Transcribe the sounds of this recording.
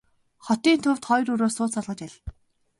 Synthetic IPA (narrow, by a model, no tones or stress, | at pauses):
χɔt̪iːnt̪ʰʊw̥t̪χɔjruɾoːsʊːt͡sɔɮʁə̆t͡ɕæɮ